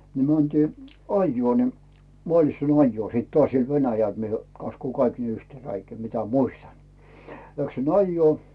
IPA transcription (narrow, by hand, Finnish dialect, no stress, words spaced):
ni mæntiː ɑjːŭoˑ ni mŏɑˑslitsɑn ɑjːuoˑ siˑt toɑˑsʲ siel ʋenæjæl mie kɑskuː kɑik yhteː ræikæː mitæ muistɑn læksin ɑjːuoˑ